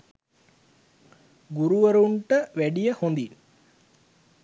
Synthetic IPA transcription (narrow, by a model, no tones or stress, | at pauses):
ɡuɾuʋəɾuɳʈəʋæɖijəhond̪in